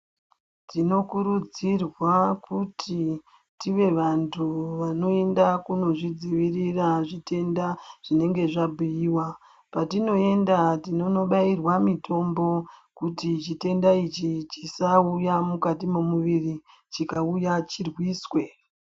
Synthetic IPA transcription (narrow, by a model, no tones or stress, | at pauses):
tino̞kuɾud͡zirwakutʰi | tiʋe̞ʋantʰuʋano̞e̞ndakuno̞ʐid͡ziʋiriraʐite̞ndaʐ̥ine̞ŋɡe̞ʐabʱujiwa | patino̞e̞ndatino̞no̞ɓairwamito̞mbo̞kutit͡ʃite̞ndait͡ʃit͡ʃisaujamukatimomuʋiri | t͡ʃikaujat͡ʃirwiːswe̞